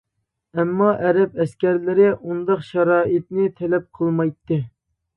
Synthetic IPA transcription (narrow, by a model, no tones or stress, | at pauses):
ɛmːɑʔɛɾɛp̚ɛskʲæɾlɪɾɪʔund̪ɑqʃɑɾɑːʔit̪nɪt̪ʰɛlɛp̚qʰəlˠmɑjt̪ːɨ